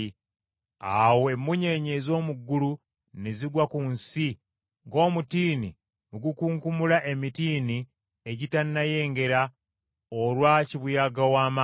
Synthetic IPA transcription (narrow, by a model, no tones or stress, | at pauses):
i | awemːuɲe̞ɲe̞ːzo̞ːmuɡːulu | neziɡwakunsi | ŋɡo̞ːmutiːni | muɡukuːŋkumulaʔe̞mitiːni | e̞ɟitanːaje̞ːŋɡe̞ɾa | olwaːciβujaɡawaːma